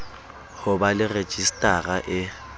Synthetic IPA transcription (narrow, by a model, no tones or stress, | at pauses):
hʊbalɪre̥t͡ʃʼistʼaraʔɪ